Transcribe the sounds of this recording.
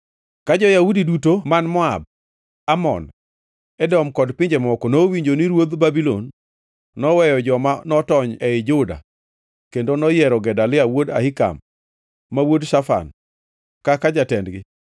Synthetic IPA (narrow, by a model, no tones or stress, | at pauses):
kad͡ʒɔjaudidutomanmɔa̰b̚ | amɔ̰n | ɛdɔmkɔdpɪɲd͡ʒɛmɔkɔnowiɲd͡ʒoniɾwod̪babilo̰nː | ɔwɛjɔd͡ʒɔmanɔtɔɲɛɪd͡ʒʊda̰ | kendonɔjɛɾɔɡɛdalɪawoda̰hɪka̰mː | awodʃafa̰n | kakad͡ʒatɛndɡɪ